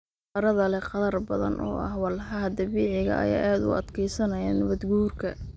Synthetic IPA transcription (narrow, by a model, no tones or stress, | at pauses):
ɐɾɐðɐlɛqɑðɐrbɐðɐ̰nʔɔ̰ːʔɐ̰hwɑlħɐɦɐd̪ɐβiːʕɪɣɐ̰ʔɐ̰ja̰ːʔaːd̪ʊ̰ɐ̰d̪kʰɛjsɐnɐjanɐβɐd̪ɡuːrkʰɐ